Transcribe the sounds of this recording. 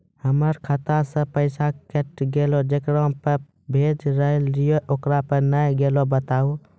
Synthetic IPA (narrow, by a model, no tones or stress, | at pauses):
həməɾkʰət̪asə̃pəɪsakeʈɡelod͡ʒekɾõpə | bʱed͡ʒɾəɦlijoʔokɾapənəjɡelobət̪au